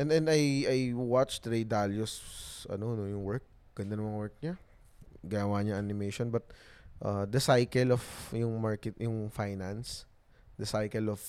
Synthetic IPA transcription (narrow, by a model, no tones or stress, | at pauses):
ʔɛnɛnajajwat͡ʃt̪ɾɛjd̪aljʊsʔɐ̰nonojʊŋwɛɹk̚ | ɡ̥ɐnd̪anɐmɐŋwɛɹk̚ɲa | ɡɪnɐwaɲɐŋɐnɪmejʃonbɐt̪̚ʔad̪ɐsajkɛlɔfjʊŋmaɹkɛt̪̚jʊŋfajnɐns | d̪ɐsajkɛlɔf